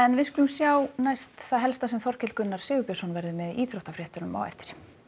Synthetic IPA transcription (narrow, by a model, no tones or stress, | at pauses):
ɛnvɪðskʏlʏmsjaːwnajst̪θaðɦɛlst̪asɛmfɔr̥cʰɛt̪kʏnːaɾ̥sɪːɣʏpœsɔnvɛɾðʏmɛðiːθɾɔwht̪afɾjɛht̪ʏɾnʏma̰wɛ̰ft̪ɪ̥ɾ̥